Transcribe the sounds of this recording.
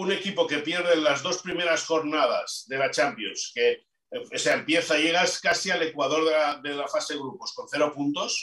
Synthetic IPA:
une̞kipo̞ke̞pjeɾðenlazðo̞spɾime̞ɾasxo̞ɾnað̞a̰z̥ðe̞lat͡ʃampjo̰nske̞ | oseaempje̞θaʎe̞ɣ̞askasiale̞kwaðo̞ɾðelaðelafaseeɣ̞ɾuposko̞n̟θeɾo̞punt̪o̞s

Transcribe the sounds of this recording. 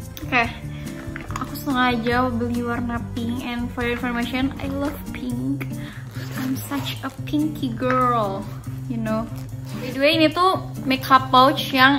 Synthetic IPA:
oke | ʔakusəŋad͡ʒawəbəliwərnapɪŋɛnfɔɾjəinfɔrmaʃɔna̰jlʌv̥pʰɪŋk | ajmsat͡ʃəpʰiŋkʰiɡəɾl | junoweduweinit̪umekʰapawt͡ʃjaŋ

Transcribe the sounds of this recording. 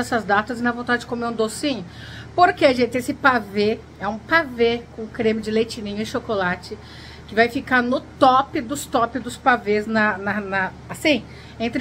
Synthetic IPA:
ɛsɐzd̪at̪ɐzɪnɐvõt̪ad͡ʒɪd͡ʒɪkomeɾũd̪osĩɲʊ | poɾkeaʒẽt͡ʃɪesɪpave | ɛũpavekõkɾẽmɪd͡ʒɪlejt͡ʃinĩɲʊɪʃokolat͡ʃɪ | kɪvajfikaɾnʊt̪ɔpɪd̪ʊst̪ɔpɪzd̪ʊspavesnɐnɐnɐ | asĩ | ẽnt̪ɾ

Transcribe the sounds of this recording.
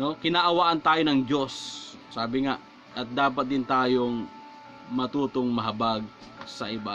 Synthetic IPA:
nokɪnaʔɐwaːʔɐnt̪aːjonɐŋd͡ʒo̞sːaːbɪŋaʔ | ʔɐt̪̚d̪aːpɐt̪̚d̪ɪnt̪aːjoŋ | mɐt̪uːt̪oŋmɐɦɐbaɡ̚ | sɐʔɪba

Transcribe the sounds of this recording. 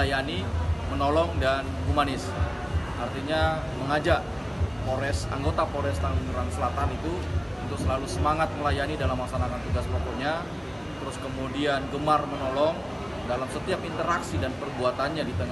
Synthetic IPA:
ajanimənɔlɔŋdanɦumanɪs | ʔart̪iɲa | məŋad͡ʒaʔ | poɾɛsa̰ŋɡot̪apoɾɛst̪alməɲəɾaŋsəlat̪anit̪u | unt̪uksəlalusəmaŋat̪̚məlajanidalamaksanakant̪uɡaspok̪oɲa | t̪əɾʊskəmudianɡəmarmənolɔŋ | dalamsət̪iap̚int̪əɾaksidanpərbuat̪anɲadit̪əŋa

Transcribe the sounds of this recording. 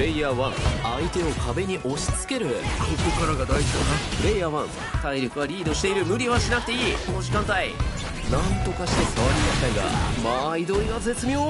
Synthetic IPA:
ɾe̞iaːβãŋait̪e̞o̞kʰabe̞ɲ̟iʔo̞ɕi̥t͡sɨ̥ke̞ɾɯ̟kokokaɾaɡad̪aiʑid̪onapɯ̟ɾe̞jaːβãŋ | t̪aiɾʲo̞kɯ̟βaɾʲiːd̪o̞ɕi̥t̪e̞iɾɯ̟mɯ̟ɾʲiβaɕinak̚t̪e̞iːkonoʑikãnt̪ai | nãnt̪o̞kaɕi̥t̪e̞kaβaɾʲimaɕit̪aiɡa̰maid̪o̞iɡaze̞t͡sɨmʲio

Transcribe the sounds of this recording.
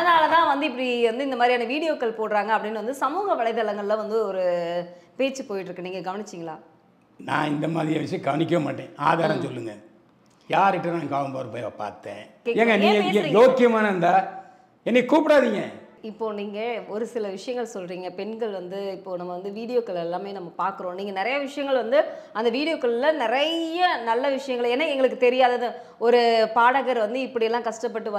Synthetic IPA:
ɐɐnaːlɐt̪ãːʋɐnd̪ɯɪpːɐɽiʋɐnd̪ɯɪnd̪ɐmaːd̪ɾiaːnɐʋiːɽɪjoːkːɐɭpoːɽɾaːŋɡɐɐpːɐɽɪnːʋɐnd̪ɯsɐmuːɣɐʋɐɭɐɪðɐlɐŋɡɐɭlãːʋɐnd̪ɯɔɾɯpeːt͡ʃːɯpoːjɪʈɾɯkːɯniːŋɡɐɡɐʋɐnɪt͡ʃːɪŋɡɐɭaː | nã̰ːɪnd̪ɐmaːðɾɪjɐʋɪʂɐjɐ̃ɡɐʋɐnɪk̬ʲːɐʋɐmaːʈːẽːa̰ːðaːɾɐ̃msɔlːɯŋɡɐ | jaːɾɪʈːɯnãːŋkaːʋɐmpoːɾɯmpoːja̰pa̰ːɾt̪ːẽːkeeːŋɡɐnĩːŋɡɐjoːkːɪjɐmaːnɐɯnd̪aː | ɛnːɛkuːpɪɽaːðɪŋɡɐ̰ | ɪpːoːniːŋɡɐɔɾɯsɪlɐʋɪʂɐjɐŋɡɐɭsɔlɾiːŋɡɐpɛnɡɐɭʋɐnd̪ɯɪpːoːnɐmːɐʋɐnd̪ɯʋiːɽɪjoːkɐɭɛlːãːmeːnɐmːɐpaːɾkɯɾõːniːŋɡɐnɪɾɐjɐʋɪʂɐjɐŋɡɐɭʋɐnd̪ɯ | ɐnd̪ɐʋiːɽɪjoːkːɐɭlːɐnɪɾɐjɐnɐlːɐʋɪʂɐjɐŋɡɐɭɛnːɐɛŋɡɐɭɯk̬ːɯt̪ɛɾɪjaːðɐðɯ | ɔɾɯpaːɽɐɣɐɾʋɐnd̪ɯɪpːɐɽɪjɛlːãːkɐʂʈɐp̬ːɐʈːɯʋɐ

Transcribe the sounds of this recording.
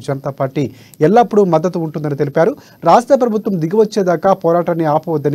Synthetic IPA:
d͡ʒɐnɐt̪aːpaːɾʈiː | ɛlːɐːpːuɽumɐd̪ːɐt̪uːɳʈund̪ɐnit̪e̞lipaːɾu | ɾaːsʈɾɐp̬ɾɐbʱut̪ʋɐmd̪iɡiʋɐt͡ʃːeːd̪aːkaːpɔːɾaːʈɐnːiaːpuʋɐd̪ːɐn

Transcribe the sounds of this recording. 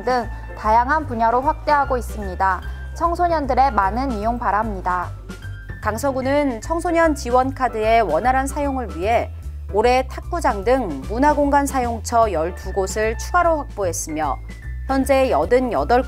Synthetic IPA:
dɯŋ | tajaŋɦanpuɲaɾoɸwak̚t͈e̞ɦaɡois͈ɯmɲida | t͡ɕʰʌŋsʰoɲʌndɯɾe̞manɯnijoŋpaɾamɲida | kaŋsʰʌɡunɯnt͡ɕʰʌŋsʰoɲʌnt͡ɕiwʌnkʰadɯe̞wʌnaɾɦansʰajoŋɯɭɥiɦe̞ | oɾe̞tʰak̚p͈ud͡ʑaŋdɯŋmunaɡoŋɡansʰajoŋt͡ɕʰʌjʌɭtuɡosʰɯɭt͡ɕʰuɡaɾoɸwak̚p͈oɦe̞s͈ɯmjʌ | çjʌnd͡ʑe̞jʌdɯnjʌdʌɭ

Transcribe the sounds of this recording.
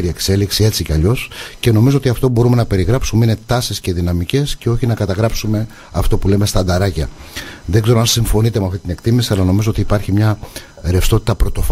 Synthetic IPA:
ɾie̞kse̞liksie̞t͡siceɐʎo̞sce̞no̞mizoot̪iɐft̪obo̞ɾume̞nɐpe̞ɾiɣɾɐpsumeine̞t̪ɐsisce̞ðinɐmice̞sce̞o̞çinɐkɐt̪ɐɣɾɐpsume̞ | ɐft̪o̞pule̞me̞st̪ɐnd̪ɐɾɐcɐðeɡze̞ɾoɐnsiɱfo̞nit̪e̞meɐft̪it̪ine̞kt̪imisiɐlɐno̞mizoot̪iːpɐɾçimɲɐ | ɾefst̪o̞t̪it̪ɐpɾo̞t̪o̞f

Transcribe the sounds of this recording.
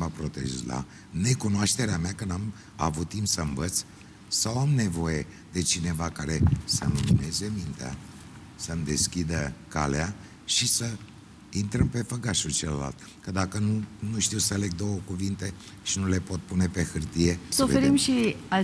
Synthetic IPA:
mapɾo̞t̪ḛʒla̰ | ne̞kunoaʃt̪e̞ɾeameakənam | a̰vut̪ːimpsəɨmvət̪s | sawamne̞vo̞je̞ | d̪e̞t͡ʃine̞vakaɾe̞sə̰mlumine̞zemint̪ea̰ | səmd̪e̞skʲid̪əka̰lḛa | ʃisə | int̪ɾəmpe̞fəɡaʃut͡ʃeləla̰lt̪ | kəd̪akənunuʃt̪iwsəale̞ɡ̚d̪o̞wəkuvint̪e̞ | ʃinule̞po̞t̪̚pune̞pe̞xɨrt̪ije̞soveeɾimʃia

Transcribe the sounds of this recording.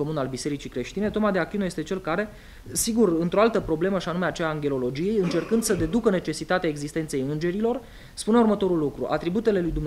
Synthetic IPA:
o̞munalbise̞ɾit͡ʃikɾe̞ʃt̪ine̞t̪o̞mad̪e̞akinoje̞st̪e̞t͡ʃe̞lkaɾe̞ | siɡurɨnt̪ɾo̞alt̪əpɾo̞ble̞məʃianumeat͡ʃeaːŋɡʲe̞lo̞lo̞d͡ʒije̞jɨnt͡ʃe̞rkɨnd̪səd̪e̞d̪ukəne̞t͡ʃe̞sit̪at̪eae̞ɡzist̪e̞nt̪se̞jɨnd͡ʒe̞ɾilo̞r | spuneurmət̪o̞ɾulːukɾṵʔa̰t̪ɾibut̪e̞le̞lujd̪umn

